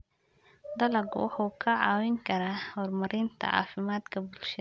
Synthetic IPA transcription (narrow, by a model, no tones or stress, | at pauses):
d̪ɐlɐɡwɑ̰ħuːkʰɐʕɑːwɪŋkʰɐɾaːhɔrmɐɾɪnt̪ʰɐ̰ʕɑ̰ːfɪmaːd̪kʰɐbʊlʃɐ